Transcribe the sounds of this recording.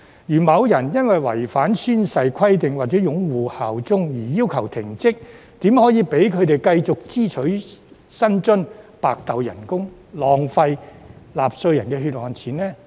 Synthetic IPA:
jyː˨˩mɐ˨˧wjɐ˨˩njɐ˥nwɐ˨jwɐ̰˨˩jfaː˨˥nsyː˥nsɐ˧jkʰɐ˥jt̪ɪ˨ŋwaː˨˩t̚t͡sɛː˨˥jʊ˨˧˥ŋwuː˨haː˨wt͡sʊ˥ŋjiː˨˩jiː˥wkʰɐ˨˩wt̪ʰɪ˨˩ŋt͡sɪ˥k̚ | t̪iː˨˥mhɔː˨˥jiː˨˧pe˨˥jkʰɵ˨˧ɥt̪e˨jkɐ˧jt͡sʊ˨k̚t͡siː˥t͡ʃʰɵ˨˥ɥ | sɐ˥nt͡ʃɵ˥npaː˧k̚t̪ɐ˨wjɐ̰˨˩nkʊ˥ŋ | lɔː˨ŋfɐ˧jlaː˨p̚sɵ˧ɥjɐ˨˩nkɛː˧ɦy˧t̚hɔː˨nt͡sʰiː˨˥nlɛː˥

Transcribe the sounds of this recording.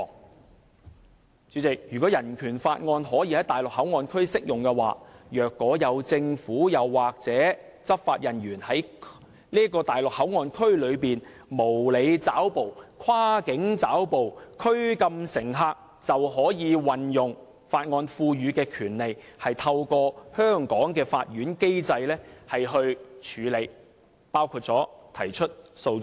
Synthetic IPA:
t͡ʃyː˨˥t͡sɪ˨k̚jyː˨˩kɔ˨˥jɐ˨˩nkʰyː˨˩nfaː˧t̚ŋɔː˧nɦɔː˨˥ji˧hɐ˨˥jt̪aː˨˩jlʊ˨k̚hɐ˨˥wŋɔː˧nkʰɵ˥ɥsɪ˥k̚jʊ˨ŋkɛː˧wa̰ː˨˧jœː˨kːɔː˨˥jɐ˨˧wt͡sɪ˧ŋfuː˨˥jɐ˨˧wːaː˨k̚t͡sɛː˨˥ | t͡sɐ˥p̚faː˧t̚jɐ˨˩njyː˨˩nhɐ˨˥j | liː˥kɔː˧t̪aː˨jlʊ˨k̚hɐ˨˥wŋɔː˧nkʰɵ˥ɥlɵ˨˧ɥpiː˨n | mo˨˩wle˨˧jt͡saː˨˥wpo˨wkʰwaː˥kɪ˨˥ŋt͡saː˨˥wpo˨wkʰɵ˥ɥkɐ˧msɪ˨˩ŋɦaː˧k̚ | t͡sɐ˨whɦɔː˨˥jiː˨˧wɐ˨˩njʊ˨˩ŋ | faː˧t̚ŋɔː˧nfuː˧jyː˨˧kɛː˧kʰyː˨˩nle˨jhɐ˨jt̪ʰɐ˧wkɔː˧hœː˥ŋkɔː˨˥ŋkɛː˧fa̰ː˧t̚jyː˨˥nke˥jt͡sɐ˧jlɛː˥hɐ˨jɦɵ˧ɥt͡ʃʰyː˨˧le˨˧j | paː˥wkʰuː˧t̚t͡sɔː˨˥t̪ʰɐ˨˩jt͡ʃʰɵ˥t̚so˧w

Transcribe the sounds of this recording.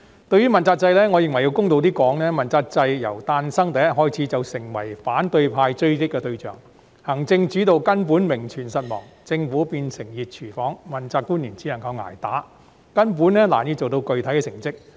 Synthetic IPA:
t̪ɵ˧ɥyː˥mɐ˨nt͡saː˧k̚t͡sɐ˧jlɛː˥ŋɔː˨˧jɪ˨˩ŋwɐ˨˩jːi˧wkʊ˥ŋt̪o˧wt̪̬iː˥kɔː˨˥ŋnɛː˥mɐ˨˩nt͡saː˧k̚t͡sɐ˧jjɐ̰˨˩wt̪aː˧nsɐ˥ŋt̪ɛː˨˧jɦɔː˥jt͡sʰiː˨˥t͡sɐ˨wsɪ˨˩ŋwɐ˨˩jfaː˨˥nt̪ɵ˧ɥpʰaː˧jt͡ʃɵ˥ɥkɪ˥k̚ːɛː˧t̪ɵ˧ɥt͡ʃœː˨˩ŋ | hɐ˨˩ŋt͡sɪ˧ŋt͡ʃyː˨˥t̪o˨˧wkɐ˥np̬uː˨˥nmɪ˨˩ŋt͡ʃʰyː˨˩nsɐ˨t̚mɔ̰ː˨˩ŋt͡sɪ˧ŋfuː˨˥piː˧nsɪ˨˩ŋjiː˨t̚t͡ʃʰyː˨˩fɔː˨˥ŋmɐ˨˩nt͡saː˧k̚kːuː˥nːiː˨˩nt͡sʰi˨˧˥jɐ˨˩nkʰɐ˨˧wŋa̰ː˨˩jt̪aː˨˥ | kɐ˥np̬uː˨˥nnɛː˥la̰ː˨˩njiː˨˧t͡so˨wt̪o˧wkɵ˨ɥt̪ʰjkɛ˧sɪ˨˩ŋt͡sɪ˥k̚

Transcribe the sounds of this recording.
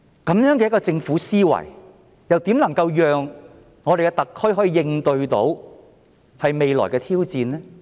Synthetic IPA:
kɐ˨˥mjœː˨˥ŋkɛ˧jkɔː˧t͡sɪ˧ŋfuː˨˥siː˥wɐ̰˨˩j | jɐ˨wt̪i˨˥mlɐ˨˩ŋkɐ˧wjœː˨ŋ | ŋːɔː˨˧ɾe˨jkɛ˧t̪ɐ˨kʰːɦɔː˨˥iː˨˧jɪ˧ŋt̪ɵ˧ɥt̪o̰˨˥w | hɐ˨jme˨˧jlɔ̰ː˨˩jkɛː˧t̪ʰiː˥wt͡siː˧nlɛː˥

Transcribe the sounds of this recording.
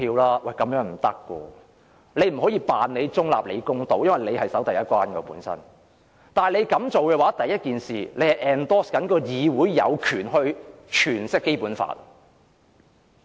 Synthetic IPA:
iː˧wlaː˥wɐ˨jkɐ˨˦mjœː˨˥ŋm̩˨˩t̪ɐ˥kːwɔ̰ː˧ | le˨˧jm̩˨˩ɦɔː˨˥jiː˧paː˨nle˨˧jt͡sʊ˥ŋla̰ː˨p̚lḛ˨˧jkʊ˧ŋt̪o˨˧wjɐ˥nwɐ˨jle˨˧jhɐ˨jsɐ˨˥wt̪ɐ˨jɐ˥t̚kʷwaː˥nkɔː˧pṵː˨˥nsɐ̰˥n | t̪aː˨n˨le˨˧jkɐ˨˧˥mt͡so˨wkɛː˧waː˨˥t̪ɐ˨jːɐ˥t̚kiː˨nsiː˨˩le˨˧jhɐ˨jʔɛː˨˩nt̪ɔː˥skɐ˨˥nkɔː˧jiː˨˧wuː˨˥jːɐ̰˨˧wkʰyː˨˩nɦɵ˧ɥt͡ʃʰyː˨˩nsɪ˥kːe˥jpuː˨˥nfa̰ː˨˩t̚

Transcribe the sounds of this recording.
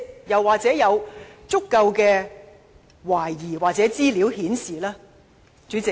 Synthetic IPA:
jɐ˨wːaː˨k̚t͡sɛː˨˥jɐ˨˧wt͡sʊ˥kːɐ˧wkɛː˧ | waː˨˩jːiː˨˩waː˨k̚t͡sɛː˨˥t͡siː˥li˨˥whiː˨˥nsiː˨laː˥ | t͡ʃyː˨˥t͡sɪ˨

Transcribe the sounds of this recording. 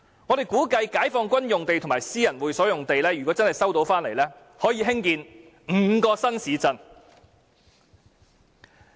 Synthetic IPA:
ŋɔː˨˧ɾe˨˩jkuː˨˥kɐ˧jkaː˨˥jfɔː˧ŋkʷɐ˥njʊ˨ŋt̪e˨jt̪ʰmaː˨˩jsiː˥jɐ˨˩nwuː˨˧jsɔː˨˥jʊ˨ŋt̪e˨jlɛː˥jy˨kwɔ˨˧˥t͡sɐ˥nhɐ˨jsɐ˥wt̪o˨˥wfaː˥nle˨˩jlɛː˥ | hɔː˨˥jiː˨˧ɦɪ˥ŋkiː˨˧n | ŋ̩˨˩kɔː˧sɐ˥nsiː˨˥t͡sɐ˧n

